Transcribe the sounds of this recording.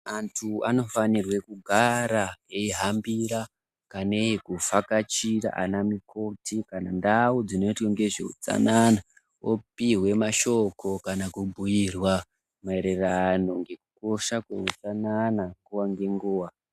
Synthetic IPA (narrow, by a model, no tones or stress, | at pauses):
antʰua̰no̞fanirwe̞kuɡʱaɾaeiɦambiɾa | kaneekufakat͡ʃiɾa̰ʔa̰namikʰo̞tʰikanandawud͡zino̞itweŋɡe̞ʐḛṵt͡sa̰nana | opiɦwe̞maʃo̞kʰo̞kanakubʱujirwa | maeɾerano̞ŋɡe̞kuko̞ʃakwḛut͡sananaŋɡuwaŋɡe̞ŋɡuːwa